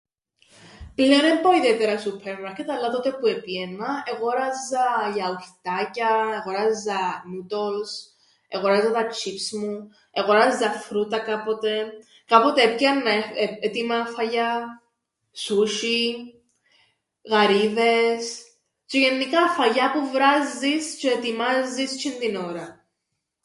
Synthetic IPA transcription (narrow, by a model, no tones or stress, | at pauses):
pleɾempoiðiet̪eɾɐsupʰeɾmɐɾket̪ɐlːɐt̪ot̪epuepienːɐeɣo̞ɾɐzːɐʝɐuçt̪ɐcɐeɣoɾɐzːɐnut̪ols | eɣo̞ɾɐzːɐt̪ɐt͡ʃʰipsmu | eɣoɾɐzːɐfɾut̪ɐkɐpo̞t̪e̞ | kɐpo̞t̪eepçɐnːɐet̪imɐfɐʝɐ | suʃi | ɣɐɾiðe̞s | t͡ʃeʝenːikɐfɐʝɐpuvɾɐzːist͡ʃeet̪imɐzːist͡ʃʰind̪ino̞ɾɐ